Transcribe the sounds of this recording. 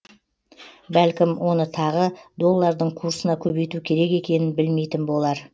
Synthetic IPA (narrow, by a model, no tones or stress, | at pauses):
bælkʲɪmwʔo̞nət̪ʰɑʁəd̪o̞lˠːɑɾd̪əɴkʰuɾsənɑkʲʰɵbejt̪ukʲʰe̞ɾe̞ke̞kʲe̞nɪnbɪlme̞jt̪ɪnbo̞lˠɑɾ